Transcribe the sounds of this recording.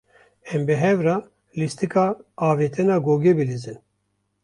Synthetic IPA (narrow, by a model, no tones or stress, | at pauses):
ɛmbɛɦɛvɾɑː | list̪ikʰaːveːt̪ʰɛnaːɡoːɡebɨlizɨn